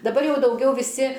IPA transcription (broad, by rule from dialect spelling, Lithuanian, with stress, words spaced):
dɐˈbɐr ˈjɛʊ dɐʊˈɡʲɛʊ ʋʲɪˈsʲɪ